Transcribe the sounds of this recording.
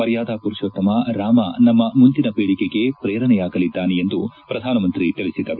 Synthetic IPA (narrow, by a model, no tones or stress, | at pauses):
ɐɾjaːd̪aːpuɾʃɐt̪ːɐmɐɾaːmɐnɐmːɐmund̪inɐpeːɭikeɡe̞pɾeːɾɐnɛjaːɡɐlid̪ːaːneend̪upɾɐd̪ʱaːnɐmɐnt̪ɾit̪ilisid̪ɐɾ